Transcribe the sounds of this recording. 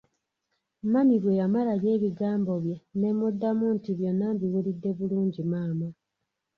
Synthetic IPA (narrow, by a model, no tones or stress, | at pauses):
namiβwe̞jamalalje̞ːβiɡaːmbo̞βje̞ne̞mudːamuːntiβjo̞nːambiwulidːe̞βuluːɲɟimaːma